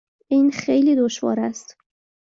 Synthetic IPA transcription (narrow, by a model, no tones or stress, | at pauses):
iːnxejliːd̪oʃvɒ̰ːɾæst̪